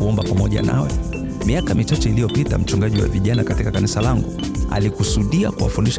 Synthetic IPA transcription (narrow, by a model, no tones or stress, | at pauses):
uɔmbapamɔʄa̰na̰wɛ | miakamit͡ʃat͡ʃɛilijɔpita̰m̩t͡ʃuŋɡaʄiwa̰viʄanakatikakanisalaŋɡu | a̰likusuɗia̰kuwa̰funiʃ